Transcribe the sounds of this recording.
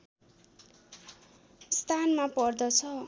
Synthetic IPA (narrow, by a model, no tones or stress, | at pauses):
st̪ʰanmapʌrd̪ʌt͡sʰʌ